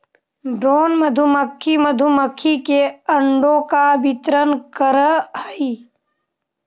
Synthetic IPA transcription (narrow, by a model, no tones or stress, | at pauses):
ɖɾoːnməd̪ʱuməkʰːiməd̪ʱuməkʰːikeəɳɖokabit̪ɾənkəɾəhəiː